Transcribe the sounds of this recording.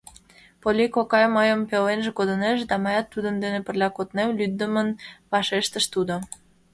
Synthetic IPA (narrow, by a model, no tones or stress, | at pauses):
polʲikokɑjməjəmpelenʒĕkod̪əneʃd̪ɑmɑjɑt̪ːud̪ənd̪enepə̆rlʲɑkot̪nemlyd̪ːəmənβɑʃeʃt̪əʃt̪ud̪o